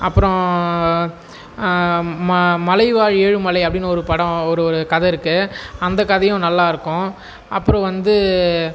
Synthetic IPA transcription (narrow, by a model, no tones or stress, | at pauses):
ɐpːɯɾɔ̃ | mmɐlɐɪʋaːɻeːɻɯmɐlɐɪɐpːɐɽɪnːɔɾɯpɐɽɐ̃ɔɾɯɔɾɯkɐðɐɪɾɯkːɯɐnd̪ɐkɐðɐjʊ̃nɐlːaːɪɾɯkːʊ̃ | ʔɐpːɯɾɔ̃ʋɐnd̪ɯ